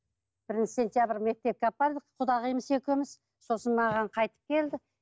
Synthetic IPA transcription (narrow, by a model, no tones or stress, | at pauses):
b̥ɪɾɪnt͡ʃɪ̥se̞nt̪jabɪɾme̞k̚t̪e̞p̚kʲeɑpːɑɾd̪əqʰʊd̪ɑʁijməsekʲemɪz̥ | so̞sənmɑʁɑɴqʰɑjt̪ə̥p̚kʲʰe̞ld̪ɪ